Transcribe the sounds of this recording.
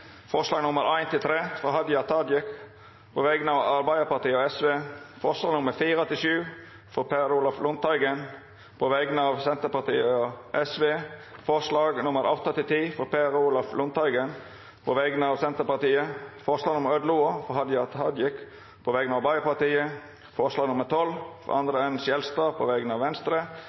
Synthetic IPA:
fɔɾʂlɑːɡnʊməɾæɪnt̪ɪlt̪ʰɾeːfɔɦɑd̪jɑt̪ʰɑd̪jɛk | pʰoʋɛɡnəɑʋɑɾbæɪəpɑɾt̪iːəɔɛsʋeːfɔɾʂlɑːɡnʊmːəɾfiːɾət̪ʰɪlʃʉː | fɔpʰeɾuːlɑflʊnt̪ʰɑɪɡən | pʰɔʋɛɡənəɑʋsɛnt̪əɾpɑt̪iːəɔʔɛsʋeːfɔɾslɑːɡnʊməɾɑ̰ːʋt̪ʰɑt̪ɪlt̪ʰiːfɔɾpʰeɾuːlɑflʊnt̪ɑɪɡən | pʰɔʋɛɡənəɑʋsɛnt̪əɾpɑʁt̪iːəfɔɾʂlɑːɡnʊmːəɾœd̪luːəfɔhɑd̪jɑt̪hɑd̪jɪk | pʰɔʋɛɡənɑʋbɑɪəpɑɾt̪iːə | fɔɾʂlɑːɡnʊməɾt̪ʰɔlfɾɔ̰ʔɑnd̪ɾəɛnsjɛlst̪ɾɑpʰɔ̰ʋɛɡənəɑʋɛnst̪ɾə

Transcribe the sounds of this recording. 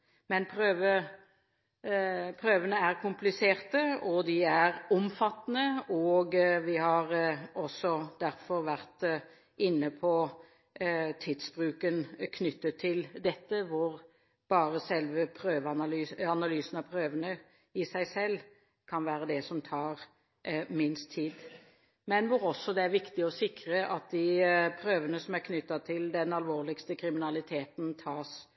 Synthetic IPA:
mɛnpʰɾøːʋə | pʰʁøːʋənəæɾkʰʊmplɪseːʁt̪əɔd̪ɪæʁʊmfɑt̪ːnəɔːɡʋɪhɑʁɔsːɔd̪æɾfɔɾʋæʁt̪ | ɪnːəpʰɔ | t̪ʰɪd̪sbɾʉːkənkʰnʏt̪ːət̪ʰːɪld̪ɛt̪ːəʋʊɾ | b̥ɑːɾəsɛlʋəpʰɾøːʋəɑnlyːɑnɑlyːsənɑʋpʰɾøːʋənə | ɪsæɪsɛlː | kʰɑnʋæːɾəd̪ɛsɔmt̪ʰɑːʁ | mɪnst̪ʰːiːd̪ | mɛnʋʊɾɔsːɔd̪ɛæɾʋɪkt̪ɪɔsɪkɾəʔɑt̪̚d̪ɪpʰɾøːʋənəsɔmæʁkʰnʏt̪ːɑt̪ʰɪld̪ɛnɑlʋoːʁlɪkst̪əkʰɾɪmɪnɑlɪt̪ʰeːt̪nt̪ʰɑːs

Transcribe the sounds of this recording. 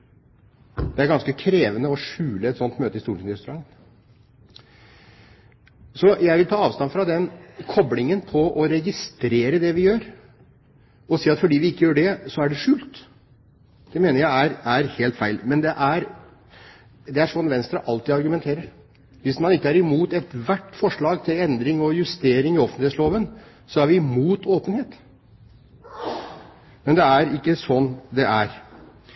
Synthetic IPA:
d̪ɛæɾɡɑnskəkʰɾeːʋənəɔʂʉːləɛt̪sɔnt̪møːt̪əɪst̪uːʈɪnɾɛst̪ʉɾɑŋːn | sɔjæɪʋɪlt̪ʰɑːɑːʋst̪ɑnfɾɑd̪ɛnkʰɔblɪŋənpʰɔʔɔɾɛɡɪst̪ɾeːɾəd̪ɛʋɪjøːɾ | ɔsiːɑt̪fɔɖiːʋɪɪkːəjøːɖɛsɔæɖɛʂʉːlt̪ | d̪̥ɛmeːnəɾjæɪæɾæɾheːlt̪fæɪlmɛnd̪ɛʔæɾ | d̪ɛæɾʂɔnʋɛnst̪ɾəʔɑlt̪iːɑɾɡʉmɛnt̪ʰeːɾəɾ | ʋɪsmɑnɪkːəæɾɪmuːt̪ɛt̪ʋæʈːfɔʂɭɑːɡt̪ʰɪlɛnd̪ɾɪŋɔjʉst̪eːɾɪŋɪɔfənɪetsloːʋən | sɔæɾʋɪɪmuːt̪ʰoːpənheːt̪ | mɛnd̪ɛæɾɪkːəsɔnːd̪ɛʔæɾ

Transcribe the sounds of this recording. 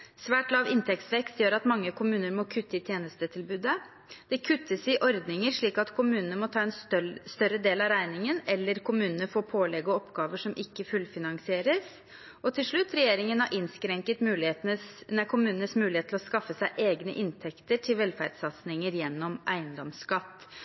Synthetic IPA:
sʋæːʈlɑːʋɪnt̪ʰɛkt̪sʋɛkst̪jøːɾɑt̪mɑŋːəkʰʊmʉːnəɾmɔkʰʉt̪ːəɪt̪ʰjeːnəst̪ət̪ʰɪlbʉːd̪ə | d̪̥ɛkʰʉt̪ʰːəsɪʔɔɾd̪nɪŋəɾʂɭiːkɑt̪kʰʊmʉːnənəmɔt̪ʰɑːɛnst̪œɾəd̪eːlɑʋɾæɪnɪŋənɛlːəɾkʰʊmʉːnənəfoːɾpʰoːlɛɡɔɔpɡɑːʋəʂɔmʔɪkːəfʉlfɪnɑŋsɪeːɾəs | ʔɔt̪ʰɪlʂɭʉt̪ːɾɛjeːɾɪŋənɑɾʔɪnskɾɛŋkət̪mʉːlɪeːt̪nənækʰʊmʉːnənəsmʉːlɪheːt̪ʰlɔskɑfːəsæɪʔeːɡnə̰ʔɪnt̪ʰɛkt̪əʈʰɪlʋɛlfæ̰ɾɖsɑt̪snɪŋəɾjɛnːɔmʔæ̰ɪənd̪ɔmskɑt̪ː

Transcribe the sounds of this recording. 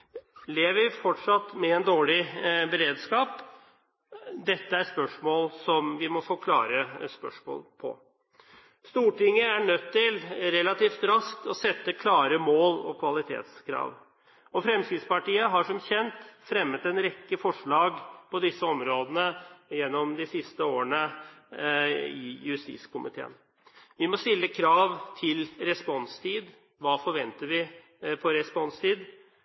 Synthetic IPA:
leːʋəɾfɔʈʂɑt̪ːmɛɛnd̪oːɭɪbəɾeːd̪skɑːp | d̪ɛt̪ːəæɾʂpœʂmoːlsɔmʋɪmɔfoːkʰlɑ̰ːɾəspœ̰ʂmo̰ːlpʰɔ̰ | st̪uːʈɪŋːəæɳœt̪ʰːɪlɾɛlɑt̪iːft̪ɾɑsk̚t̪ɔsɛt̪ːəkʰlɑːɾəmoːlɔ̰kʰʋɑlɪt̪ʰḛːt̪skʰɾɑ̰ːʋ | ɔfɾɛmsɪːspɑʈiːəɦɑʂɔmçɛnt̪fɾɛmːət̪ɛnɾɛkːəfɔʂɭɑːɡpʰɔd̪ɪsːəɔmɾoːd̪ənəjɛnːɔmd̪ɪsɪst̪əoːəɳə | ɪ̰jʉst̪ḭːskʊmʔɪt̪ʰḛːə̰n | ʋɪmɔst̪ɪlːəkʰɾɑːʋt̪ʰɪlɾɛspɔnst̪ʰiːd̪ | ʋɑːfɔɾʋɛnt̪əɾʋɪ | pʰɔɾɛspɔnst̪ʰiːd̪

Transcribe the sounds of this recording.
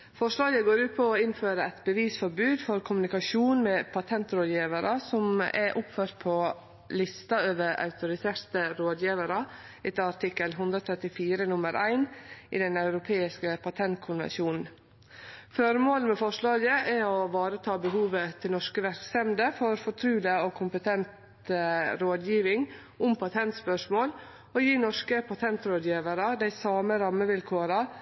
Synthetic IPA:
fɔʂɭɑːɡəɡoːɾʉːt̪̚pʰɔɔɪnføːɾəɛt̪bəʋiːsfɔɾbʉːd̪fɔɾkʰʊmʉnɪkɑʃuːnmɛpʰɑt̪ʰɛnt̪ɾoːd̪jiːʋəɾʔɑsɔmɛ̰ʔʊpføːɾt̪̚pʰɔ | lɪst̪ɑøːʋəɾɑ̰ʉt̪ʊɾɪseːɾt̪əɾoːd̪jiːʋəɾɑ | ɛt̪əɑɾʈ̪ɪkːəlɦʉnd̪ɾɔt̪ʰɾɛt̪ɪfiːɾənʊməɾʔæ̰ɪnʔɪ̰d̪ɛnɑʉɾʊpʰeːɪskəpʰɑt̪ʰɛnt̪̚kʰʊnʋɛ̰nʃjuːnn̩ | fœɾmoːlmɛfɔʂɭɑːɡəʔæɔʋɑːɾət̪ʰɑːbəɦuːʋət̪ʰɪlnɔʂkəʋæɾksɛmd̪əfɔɾfɔʈ̪ʰɾʉːləokʰʊmpət̪ʰɛnt̪ | ɾoːd̪jiːʋɪŋ | ʊmpʰɑt̪ʰɛnt̪spœʂmoːl | ɔjiːnɔʂkəpʰɑt̪ʰɛnt̪ɾoːd̪jiːʋəɾɑd̪æɪsɑːməɾɑmːəʋɪlkʰoːɾɑ

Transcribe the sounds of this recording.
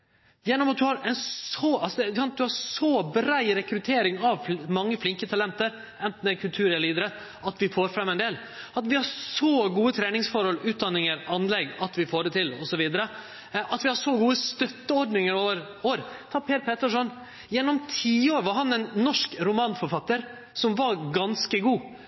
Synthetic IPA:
jɛnːɔmɑt̪̚d̪ʉhɑɾɛnsɔɑlsɔd̪ɛsɑnt̪̚d̪ʉhɑɾsɔbɾæɪɾɛkɾʉt̪ʰeːɾɪŋɑʋmɑŋːəflɪŋkət̪ʰɑlɛnt̪əɾ | ɛnt̪n̩d̪ɛkʰʉlt̪ʰʉːɾɛliːd̪əɾə | ɑt̪ʋɪfoːɾfɾɑmːɛnd̪eːl | ɑt̪ʋɪhɑɾsoɡuːət̪ʰɾeːnɪŋsfɔɾhɔlʉːt̪̚d̪ɑnːɪŋəɾɑnːlɛɡɑt̪ʋɪfoːɖɛt̪ɪlɔsɔʋiːd̪əɾə | ʔɑt̪ʋɪhɑʂɔɡuːəst̪œt̪ːəɔɾɖnɪŋəɾoːʋəɾ | oːɾt̪ʰɑːpʰeːɾpʰeːt̪əʂɔn | jɛnːɔmt̪ʰiːoːɾʋɔɦɑnɛnnːɔʂkɾʊmɑːnfɔɾfɑt̪ːəɾ | sɔmʋɑɡɑnskəɡuː

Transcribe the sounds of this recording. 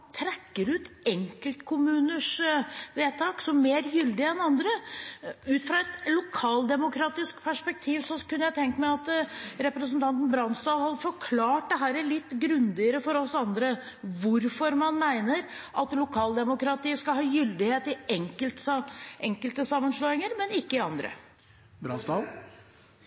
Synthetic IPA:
t̪ʰɾɛkːəɾʉːt̪ɛŋkəlt̪kʰʊmʉːnəʂʋeːt̪ʰɑːksɔmmeːɾjʏld̪ɪɛnɑnd̪ɾə | ʉːt̪fɾɑɛt̪lʊkʰɑːld̪ɛmʊkʰɾɑːt̪ɪskpʰæʂpɛk̚t̪ʰiːʋsɔkʉnːəjæɪt̪ʰɛŋk̪əmæɪɑt̪ɾɛpɾəsən̩t̪ʰɑnt̪n̩bɾɑnst̪ɑːlhɑd̪əfɔɾkʰlɑːʈ̚d̪ɛɦæːɾælɪt̪ːɡɾʉnd̪ɪəɾəfɔɾɔsɑnd̪ɾə | ʋʊɾfɔɾmɑnmæɪnəɾʔɑt̪lʊkʰɑːld̪ɛmʊkɾɑt̪iːəskɑlhɑːjʏld̪ɪheːt̪ɪɛŋkəlt̪ʔɛŋkəlt̪əsɑmːənʂɭoːɪŋəɾmɛnɪkːəɪɑnd̪ɾə̰ | bɾɑ̰nst̪ɑ

